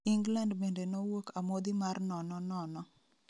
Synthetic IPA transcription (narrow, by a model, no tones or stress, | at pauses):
iŋɡlandbendenowokamod̪imarnɔnɔnɔnɔ